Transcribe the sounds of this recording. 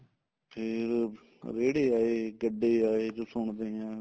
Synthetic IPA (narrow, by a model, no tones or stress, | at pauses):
pʰɪɾ | ɾeːɽeːaːeːɡəɖːeːaːeːd͡ʒoːsʊɳd̪eːãː